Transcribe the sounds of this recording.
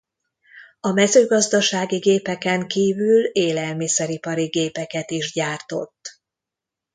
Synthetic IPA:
ɒmɛzøːɡɒzd̪ɒʃaːɡiɡeːpɛkɛŋkiːvyleːlɛlmisɛɾipɒɾiɡeːpɛkɛt̪iʒɟaːrt̪o̞̰t̪ː

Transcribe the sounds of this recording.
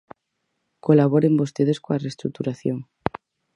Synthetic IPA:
kolaβ̞oɾembost̪eðeskoarest̪ɾuk̚t̪uɾaθjoŋ

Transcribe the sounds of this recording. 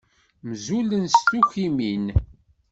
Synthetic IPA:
mzulənst̪uçimin

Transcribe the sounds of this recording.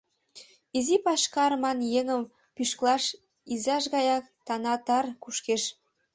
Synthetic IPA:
izipɑʃkɑrmɑnjeŋə̆m | pyʃklɑʃ | izɑʃ̬ɣɑjɑkt̪ɑnɑt̪ɑrkuʃkeʃ

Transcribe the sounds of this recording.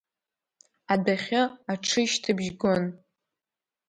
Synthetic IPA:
adaχʲɪaʈ͡ʂʰɨʃtʰɨbʒɡon

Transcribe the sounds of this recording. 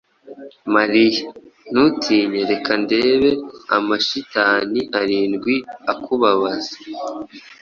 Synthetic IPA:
maɾijanutʰiːɲeɾe̞kʰande̞ːβe̞a̰maʃitaːniʔaɾiːnɡwiakʰuβaβazḁ

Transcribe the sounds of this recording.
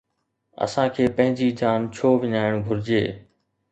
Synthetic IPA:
ə̰sãːkʰeːpɐ̃ɦɪ̃d͡ʑiːd͡ʑaːnt͡ɕʰoːʋɪɲaːɪɽ̃bʱʊɾɪd͡ʑeː

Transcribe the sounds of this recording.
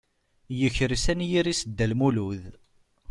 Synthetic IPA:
jəçɾsænjiɾisəd̪ːælmuluð

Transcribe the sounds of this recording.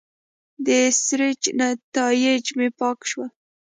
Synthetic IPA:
d̪əsɾɪd͡ʒnat̪ɑjɪd͡ʒmepɑkʃwal

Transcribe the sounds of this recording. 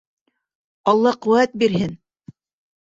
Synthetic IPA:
ɑlˠːɑqŭwæt̪̚biɾɦɘn

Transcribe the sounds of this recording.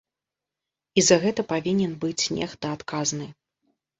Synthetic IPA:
izɐɣɛt̪ɐpavʲinʲɛnbɨt͡sʲnʲɛ̰xt̪ɐat̪kaznɨ

